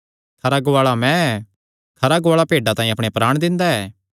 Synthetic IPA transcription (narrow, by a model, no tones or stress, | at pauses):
kʰɐɾaɡoaːɭamɛ̃ɛː | kʰɐɾaɡʊaːɭapeːɖat̪ãːĩɐpɽ̃epɾaːɽ̃d̪ɪ̃nd̪aɛː